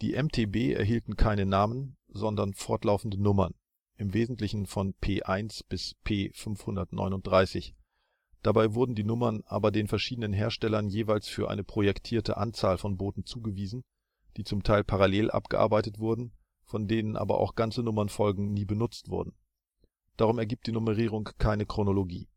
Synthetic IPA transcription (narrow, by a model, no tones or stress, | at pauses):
d̥ḭːʔɛmtʰeːbeːʔɛ̰ɐɦiːltn̩kʰaɪnənaːmənzɔndɐnfɔɐtlaʊfn̩dənʊmɐ̰n | ʔɪmveːzn̩tlɪçn̩fɔnpʰeːʔaɪnsb̥ɪspʰeːfʏnfhʊndɐtnɔ̰ʏnʊnt̚d̥ʁaɪsɪç | d̥abaɪvʊɐdn̩diːnʊmɐnʔa̰ːbɐdeːnfɛɐʃiːdənənɦeːɐʃtɛlɐnjeːvaɪlsfyːɐʔa̰ɪnəpʁ̥ojɛktʰiːɐtə̰ʔa̰nt͡saːlfɔnboːtn̩t͡suːɡəviːzn̩ | d̥iːt͡sʊmtʰaɪlpʰaʁaleːlʔa̰pɡ̥ə̰ʔa̰ɐbaɪtətv̥ʊɐdn̩ | fɔndeːnənʔa̰ːbɐ̰ʔa̰ʊxɡ̥ant͡sənʊmɐnfɔlɡŋ̩niːbənʊt͡stv̥ʊ̰ɐdn̩ | d̥aːʁʊmɛɐɡiːp̚td̥iːnʊməʁ̞iːʁ̞ʊŋkʰːaɪnəkʁ̥onoloɡḭː